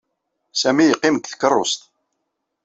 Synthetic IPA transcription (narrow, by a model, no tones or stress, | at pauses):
sæmijəqːɪmkθkərˤːʊ̰st̪